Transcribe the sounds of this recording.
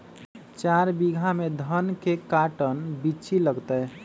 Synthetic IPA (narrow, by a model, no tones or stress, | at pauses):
t͡ʃaɾbiɡʱamed̪ʱənkekaʈənbit͡ʃʰiləɡt̪əɦ